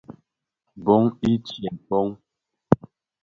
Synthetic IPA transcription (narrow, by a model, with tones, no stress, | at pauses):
bɔ˦ŋi˦t͡ʃjɛ˨mpɔ˦ŋ